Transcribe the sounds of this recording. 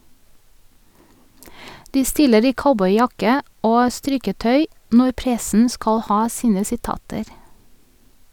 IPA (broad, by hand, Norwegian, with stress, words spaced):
ˈdiː ˈstɪləɹ ˈiː ˈkaʊbɔʏˌjɑkə ˈʔoː ˈstɾɪkəˌtœʏ ˈnɔ ˈpɾɛsn̩ ˈskɑl ˈhɑː ˈsiːnə sɪˈtɑːtəɾ